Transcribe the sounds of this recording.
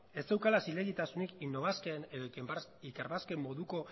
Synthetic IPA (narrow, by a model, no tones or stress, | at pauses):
e̞st͡s̪e̞wkalasileɣit̪asunikinːo̞βaskeneðo | ikeɾβaske̞mːo̞ðuko̞